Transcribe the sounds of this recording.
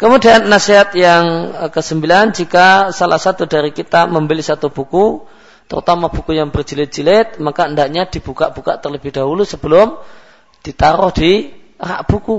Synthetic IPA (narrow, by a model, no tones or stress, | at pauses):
kəmudianːaseɦat̪̚jaŋkəsəmbiland͡ʒikasalahsat̪udaɾikit̪aməmbəlisat̪ub̥uku | t̪ə̰ɾṵt̪amab̥ukujaŋbərd͡ʒilɪt̪̚d͡ʒilɪt̪̚makaəndaʔɲadib̥ukaʔb̥uka̰ʔt̪ərləbɪhd̥aɦulusəbəlʊm | d̥it̪aɾʊhdira̰ʔb̥uku